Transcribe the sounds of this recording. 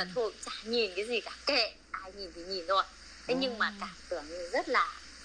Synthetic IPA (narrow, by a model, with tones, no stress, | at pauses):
a˨˩t̪ʰo˧˩t͡ɕaː˧˩ɲi˨˩nkaː˨˦jzi˨˩kaː˦˥p̚ke˧˨ | ʔaː˧jɲi˨˩nt̪ʰi˨˦ɲi˨˩nzo˧˩j | t̪ʰe˨˦ɲɨ˧ŋmaː˨˩kaː˧˩mt̪ɨ˧˩əŋɨ˧˩zə˦˥t̚laː˨˩